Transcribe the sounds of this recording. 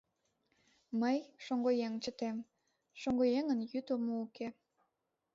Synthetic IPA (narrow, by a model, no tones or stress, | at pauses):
məjʃoŋɡojeŋt͡ɕət̪em | ʃoŋɡojeŋənjyt̪omouke